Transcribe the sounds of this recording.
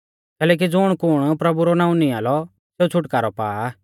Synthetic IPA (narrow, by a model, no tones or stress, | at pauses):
kɛːlɛːk̬id͡zʊɽ̃kʊɽ̃pɾɐbuɾɔnaːũnĩaːlɔ | seːut͡sʰʊʈkaːɾɔpa̰ː